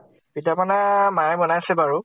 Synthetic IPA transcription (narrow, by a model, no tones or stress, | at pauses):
pitapanamaɹɛbɔnajasɛbaɹu